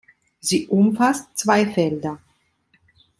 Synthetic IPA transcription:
ziːʔʊmfastt͡sv̥aɪfɛldɐ

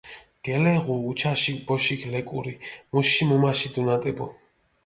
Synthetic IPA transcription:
ɡ̥ɛlɛʁuːt͡ʃʰaʃikʰbɔʃikʰlɛkʼṵɾimuʃimumaʃid̪unat̪ʼɛbɔ

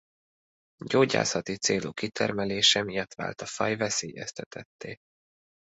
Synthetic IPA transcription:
ɟoːɟa̰ːsɒt̪it̪seːloːkit̪ʰɛ̰rmɛleːʃɛmijɒt̪ʋa̰ːlt̪ɒfɒjvɛseːjɛst̪ʰɛt̪ʰɛt̪ʰːeː

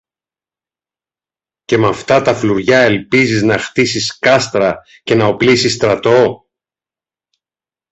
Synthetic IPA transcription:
ce̞mɐft̪ɐt̪ɐfluɾʝɐe̞lpiziznɐxt̪isiskɐst̪ɾɐ | ce̞nɐo̞plisist̪ɾɐt̪o̞

